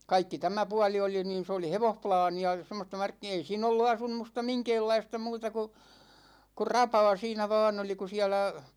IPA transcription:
kɑikːi tæmæ puɑli oli niːn̞ s oli heʋohplɑːniɑ semːostɑ mɑrkːi ei siːn olːu ɑsumˑustɑ miŋkeːlːɑistɑ muːtɑ ku kur rɑpɑː siːnæ ʋɑːn oli ku siælæ

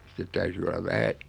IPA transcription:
sitːet tæyty olɑʋ ʋæhæ

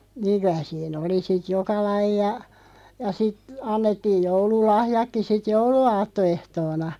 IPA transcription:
niːŋ kyæ siːn oli sit jokɑ lɑijɑ jɑ sit ɑnːetːiːj joululɑhjɑkːi sit jouluɑːtːoehtoːnɑ

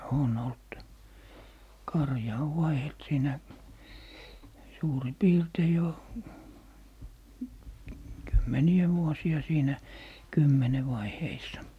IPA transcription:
on olt kɑrjɑ oʋ ʋɑihelt siːnæ suːri piːrtei jo kymːeniœˑ ʋuosiɑ siːnæ kymːene ʋɑiheisːɑ

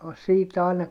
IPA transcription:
siːt ɑˑi̯nɑ

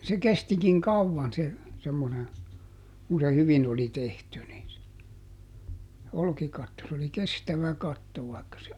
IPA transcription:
se kestikiŋ kɑuʋːɑn se semːone kun se hyʋin oli tehty ni olkikɑtːo s oli kestæʋæ kɑtːo ʋɑˑi̯kːɑ se

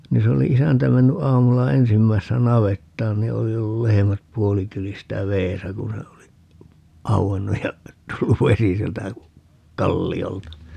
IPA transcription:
ni se oli isæntæ menːy ʔɑːmulːɑ ensimːæisːæ nɑʋetːɑːn ni oli olːu lehemæt puolikyljistæ ʋeːsæ ku se oli ɑuenːuj jɑ tulːuʋ ʋesi sieltæ kɑlːioltɑ

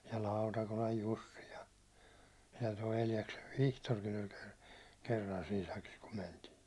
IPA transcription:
jɑ lɑutɑkolɑj jusːi jɑ jɑ toi eljɑkseʋ ʋihtorkin olʲ ker kerːɑn siːn̞ sɑkis kum mentiːn̞

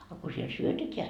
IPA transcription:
ɑ ko siel syøteteæ

